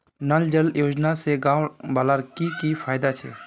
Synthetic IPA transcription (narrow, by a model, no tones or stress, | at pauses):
nəld͡ʒəljoːd͡ʒnaseɡãːwbaːlaɾkikipʰaːjd̪at͡ʃʰɛ̰ː